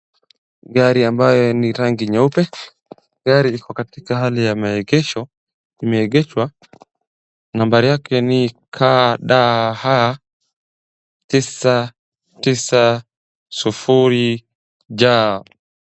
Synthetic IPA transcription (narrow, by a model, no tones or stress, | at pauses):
ɡaɾiambajɔniɾaŋɡiɲaupɛ | ɡaɾiikɔkatikaɦalijamaɛɡɛʃɔ | imɛɛɡɛʃwa | nambaɾijakɛnikʰaɗaha | tisa | tisa | sufuɾi | d͡ʒa